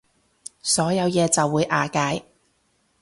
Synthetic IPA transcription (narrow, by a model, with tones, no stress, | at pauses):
sɔː˨˥jɐ˨˧wjɛː˨˧t͡sɐ˨wːuː˨˧jʔaː˨kaː˨˥j